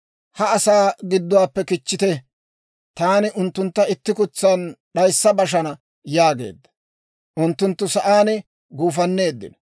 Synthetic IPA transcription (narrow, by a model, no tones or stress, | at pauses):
hɐːsaːɡɪd̪ːɔwaːpːɛkɪt͡ʃːɪt̪ɛ | t̪aːnɪʔʊnt̪ːʊnt̪ːɐɪt̪ːɪkʊt͡sːɐnɗɐjsːɐbɐʃ̬ɐnɐ | jaːɡe̞̰ːd̪ːɐ̥ | ʔʊnt̪ːʊnt̪ːʊsɐʔaːnɪ | ɡuːfɐnːe̞ːd̪ːɪ̰nɐ